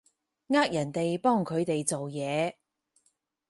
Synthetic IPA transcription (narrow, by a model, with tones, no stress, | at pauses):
ŋaː˥k̚jɐ˨˩nt̪e˨jpɔː˥˩ŋkʰɵ˨˧ɥt̪e˨jt͡so˨wjɛː˨˧